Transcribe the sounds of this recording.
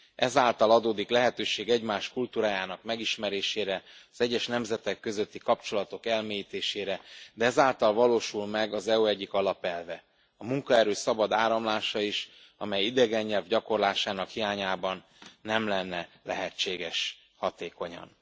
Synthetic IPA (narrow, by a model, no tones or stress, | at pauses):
ʔɛzaːlt̪ɒlɒd̪oːd̪iklɛɦɛt̪øːʃeːɡɛɟmaːʃkult̪uːɾaːjaːnɒkmɛɡiʃmɛɾeːʃeːɾɛɒzɛɟːɛʃnɛmzɛt̪ɛkːø̞zøt̪ːikɒpt͡ʃo̞lɒt̪o̞kɛlmeːjiːt̪eːʃeːɾɛd̪ɛɛzaːlt̪ɒlvɒloːʃulmɛɡɒzɛuɛɟːikɒlɒpɛlvɛ | ɒmuŋkɒɛɾøːsɒbɒd̪aːɾɒmlaːʃɒiʃ | ɒ̰mɛjid̪ɛɡɛɲːɛlvɟɒko̞rlaːʃaːnɒkhijaːɲaːbɒnː | ɛmlɛnːɛlɛ̰ɦɛt͡ʃːeːɡɛʃ | hɒt̪eːko̞ɲɒ̰n